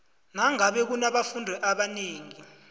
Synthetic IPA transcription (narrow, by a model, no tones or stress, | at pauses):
naŋaɓɛk̬unaɓafundʱɛʔaɓaneːŋi